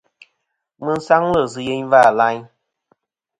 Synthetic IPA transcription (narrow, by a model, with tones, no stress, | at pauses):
mɨ˦n̩˦sa˦ŋlə˦˨sɨ˨je˦ɲvaː˦˨la˦ɲ